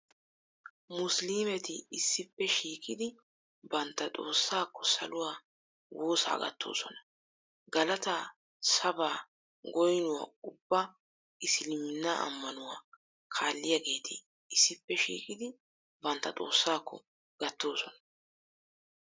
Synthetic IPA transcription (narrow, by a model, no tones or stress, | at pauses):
mʊsliːmɛt̪ɪɪsːɪpːɛʃiːkʼɪd̪ɪ | bɐnt̪ːɐt̪ʼo̞ːsːaːkːɔsɐ̰lʊwaː | wo̞ːsa̰ːɡɐ̰t̪ːo̞̰ːsɔnɐ̥ | ɡɐlɐt̪a | sɐbaː | ɡɔjnʊwa̰ːʊbːɐ | ɪslɪmɪnːaʔɐ̰mːɐnʊwaː | kʰaːlːɪjɐɡe̞ːt̪ʰɪ | ɪsːɪpːɛʃḭːkʼɪd̪ɪ | bɐnt̪ːɐt̪ʼo̞ːsːaːkːɔ̰ | ɡ̥ɐt̪ːo̞ːsɔnɐ̥